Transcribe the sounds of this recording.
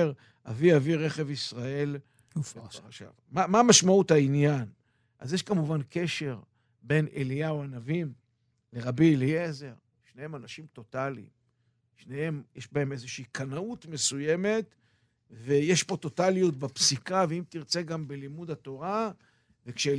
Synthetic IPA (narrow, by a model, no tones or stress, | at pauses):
ʁ | aviaviʁe̞χe̞visʁae̞l | ʃa̰vmamamaʃmauthainjan | ʔa̰zjeʃkamuvanke̞ʃe̞ʁ | be̞nelijaoanavim | le̞ʁabieliezeʁ | ʃnehe̞manaʃimt̪o̞talḭm | ʃnehe̞mjeʃbaeme̞zeʃiikʰanaut̪me̞suje̞me̞t | vejeʃpo̞t̪o̞talijot̪̚bapsikaveimt̪iʁt͡se̞ɡambelimud̪at̪o̞ʁa | vekʃe